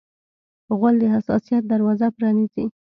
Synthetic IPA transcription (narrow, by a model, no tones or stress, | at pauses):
ɣald̪əɦasɑ̰sijat̪̚d̪aɾwɑzapɾɑnizi